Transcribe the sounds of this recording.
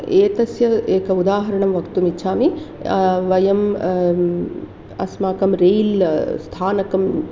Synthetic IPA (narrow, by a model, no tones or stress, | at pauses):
eːt̪ɐsjɐeːkɐud̪aːɦɐɾɐɳɐmʋɐkt̪umitːt͡ʃʰaːmi | ʋɐjɐm | ɐ̰smaːkɐmɾeːlst̪ʰaːnɐkɐm